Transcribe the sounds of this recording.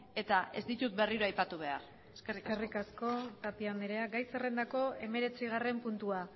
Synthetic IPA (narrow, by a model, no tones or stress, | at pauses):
e̞t̪ae̞zd̪it̪ut̪̚be̞riɾoajpat̪uβ̞e̞aɾ | skeriskerikasko̞t̪apiand̪eɾeaɡajse̞rend̪ako̞e̞me̞ɾe̞t͡siɣ̞are̞mpunt̪ua